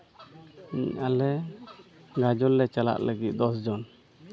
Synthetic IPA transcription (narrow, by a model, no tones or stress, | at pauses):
iɲalɛ | ɡad͡ʒɔlːɛt͡ʃala̰ʔləɡit̪̚ˀd̪ɔsd͡ʒɔn